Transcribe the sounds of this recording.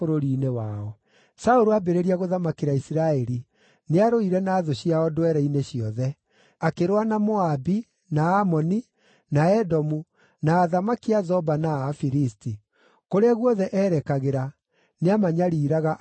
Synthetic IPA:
oɾoɾiːnewaɔ | saoɾoabeɾeɾiaɣoðamakeɾaisiɾaɛɾi | neaɾoiɾɛnaːðoɕiaɔdwɛɾɛineɕiɔðɛ | akeɾwanamoabi | naːmɔni | naɛdɔmu | naːðamakiazɔbanaːfiɾisti | koɾeaɣwɔðɛʔɛːɾɛkaɣeɾa | neamaɲaɾiːɾaɣa

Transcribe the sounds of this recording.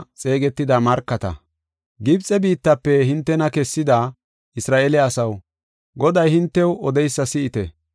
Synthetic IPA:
t͡sʼe̞ːɡɛt̪ːɪd̪amɐɾkːɐt̪ɐ̰ | ɡɪbt͡sʼɛbiːt̪ːɐpːɛɦɪnt̪ːɛnɐkɛsːɪd̪a | ʔɪsɾaːʔelɛɐsɐw | ɡɔd̪ɐjhɪnt̪ːɛwɔd̪ɛjsːɐsɪɪt̪ɛ

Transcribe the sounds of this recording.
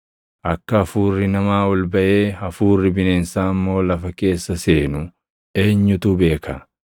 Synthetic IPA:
ʔɐkːɐɐfuːrːɪnɐmaːɔlbɐʔe̞ːɐfuːrːɪbɪneːnsaːɐmːo̞ːlɐfɐke̞ːsːɐseːnʊ | eːɲːʊt̪ube̞ːkʰɐ

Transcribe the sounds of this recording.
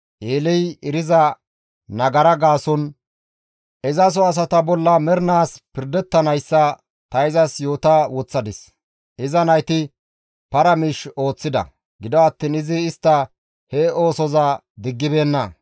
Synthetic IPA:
ʔeːlɛjɪɾɪzɐ | nɐɡɐɾɐɡaːsɔn | ʔɪzɐs̬ɔɐs̬ɐt̪ɐbɔlːɐmɛɾnaːspɪɾd̪ɛt̪ːɐnɐjsːɐ | t̪ɐɪzɐsjo̞ːt̪awɔt͡sːɐd̪ɪs | ʔɪzɐnɐjt̪ɪ | pɐɾɐmiʃo̞ːt͡sːɪd̪ɐ̰ | ɡɪd̪ɔɐt̪ːiːnɪzɪːst̪ːɐ | hɛo̞ːsɔzɐ | d̪ɪɡːɪbe̞ːnːɐ

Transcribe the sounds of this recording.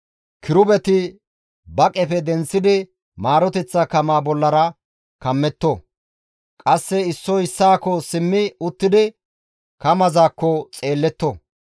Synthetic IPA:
kʰɪɾʊbɛt̪ɪ | bɐkʼɛfɛd̪ɛnt͡sːɪd̪ɪ | maːɾɔt̪ɛt͡sːɐkɐmaːbɔlːɐɾɐ | kɐmːɛt̪ːɔ | kʼɐsːɛɪsːɔɪsːaːkːɔsɪmːɪʊt̪ːɪd̪ɪ | kɐmɐzaːkːɔt͡sʼe̞ːlːɛt̪ːɔ

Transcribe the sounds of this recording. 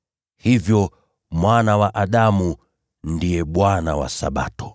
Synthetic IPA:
hivjɔ | mwanawaʔaɗamu | ndijɛɓwanawa̰sa̰ɓa̰tɔ̥

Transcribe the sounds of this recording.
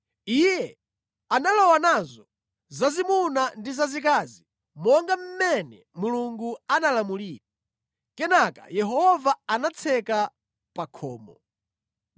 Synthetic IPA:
ijɛ | analɔwanazɔ | zazimunandizazikazi | mɔŋɡam̩mɛnɛ | muluŋɡuanalamuliːɾa | kɛnaka̰jɛɦɔvaanat͡sʰɛka | pakʰɔ̰ːmɔ

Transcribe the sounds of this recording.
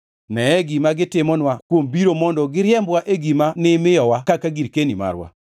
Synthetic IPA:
nɛɛɡimaɡɪtɪmɔnwakwombiɾomɔndɔɡɪɾjɛmbwaʔeɡimanɪmɪjɔwakakaɡiɾkenima̰ɾwa̰

